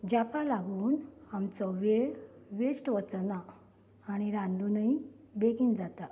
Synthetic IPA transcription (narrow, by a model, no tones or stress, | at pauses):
d͡ʑakalaɡuːnamt͡sɔʋeʋesʈʋət͡snaː | ɽ̃iɾãnd̪unəi | beɡind͡zat̪a